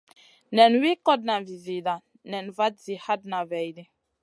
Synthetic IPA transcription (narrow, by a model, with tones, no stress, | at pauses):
nɛ˨nwi˦kɔ˦d̚na˨vi˨vi˨da˨ | nɛ˨nva˦dzi˨ha˦d̚na˨vɛ˨jdi˦